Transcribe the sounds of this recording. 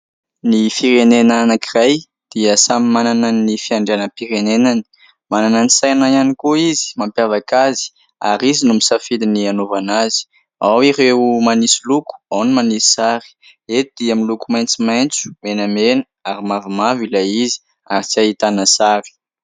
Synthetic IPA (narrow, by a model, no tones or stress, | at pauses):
nifiɾenenanakiraj | d̪̥iəsamimanananːifiaɳɖ͡ʐeanəpiɾenenani̥ | manananisajnajanikuizi̥mampjavakazi̥ | a̰ɾizinumisafilinianovanazi̥ | awiɾeumanisiluku̥awnimanisi̥saɾi̥ | et̪d̪̥iamilukumajnt͡simajnt͡su̥menamenəaɾimavimavilaizi̥ | aɾit͡siait̪anasaɾi̥